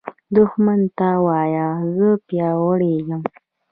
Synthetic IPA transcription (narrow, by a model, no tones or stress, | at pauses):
d̪ʊxmant̪awɑjazəpjɑwəɽeɡəm